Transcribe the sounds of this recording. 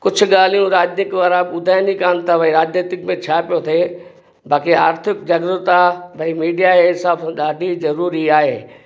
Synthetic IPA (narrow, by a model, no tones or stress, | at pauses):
kʊd͡ʒʱʰʊ̆ɠaːl̤ijũɾaːd͡ʒnɪkʋaɾabʊd̪ʱaːjnikaːnt̪ʰabʱɐiɾaːd͡ʒneːt̪ɪkmẽt͡ɕʰaːpijot̪ʰeː | baːkiaːɾt̪ʰɪkd͡ʑɐɡɾʊt̪abʱɐimiːɖijaesabɗaːɖʱizɐɾuːɾiaːɦeː